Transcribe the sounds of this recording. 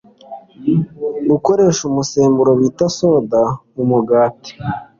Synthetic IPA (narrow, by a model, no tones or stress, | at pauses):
ɡuko̞ɾe̞ːʃumuseːmbuɾo̞witaso̞ːda | umuɡaːti̥